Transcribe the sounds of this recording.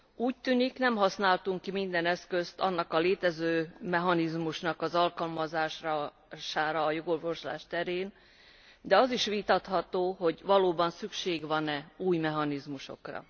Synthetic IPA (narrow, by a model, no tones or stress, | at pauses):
uːc̚t̪yːniknɛmɦɒsnaːlt̪uŋkːimind̪ɛnɛskø̞st̪ɒnːɒkɒleːt̪ɛzøːmɛɦɒnizmuʃnɒkɒzɒlkɒlmɒzaːʃ | ʃaːɾɒːjo̞ɡo̞rvo̞ʃla̰ːʃt̪ɛɾeːn | d̪ɛɒziʃʋit̪ɒt̪hɒt̪oːɦo̞ɟvɒloːbɒnsykʃeːɡʋɒnɛuːjmɛɦɒnizmuʃo̞̰krɒ̰